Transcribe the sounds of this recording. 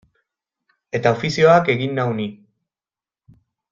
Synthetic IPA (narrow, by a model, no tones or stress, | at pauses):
e̞t̪ao̞fisio̞ake̞ɣinːawni